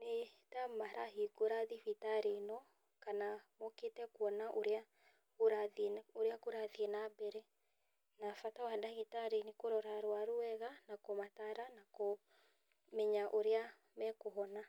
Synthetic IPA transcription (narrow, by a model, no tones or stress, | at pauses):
netamaɾaɦiɡoɾaðifitaɾenɔ | kanamɔketɛkwɔnaʔoɾea | oɾaðoɾeakoɾaðiɛnabɛɾɛ | nafatawadaɣitaɾenekoɾɔɾaɾwaɾoɛɣanakomataɾanako | mɛɲaʔoɾea | mɛkoɦɔna